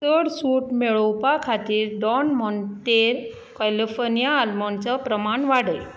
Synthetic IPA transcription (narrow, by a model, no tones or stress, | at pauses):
səɽsuʈmeɭɔwpakʰat̪iːɾɖɔnmɔntʈ̪eɾ | kɛlifɔɾnijaːlmɔnt͡sɔpɾəmaɳʋaɽəj